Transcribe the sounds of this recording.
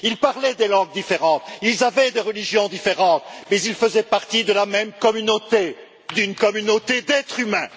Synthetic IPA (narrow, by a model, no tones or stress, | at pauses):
ilpaʁlɛd̪elɑ̃ɡ̚d̪ifeʁɑ̃t̪ilzavɛd̪eʁəliʒjɔ̃d̪ifeʁɑ̃t̪mɛzilfəzɛpaʁt̪id̪əlamɛmkɔmynot̪e | d̪ynkɔmynot̪ed̪ɛt̪χymɛ̃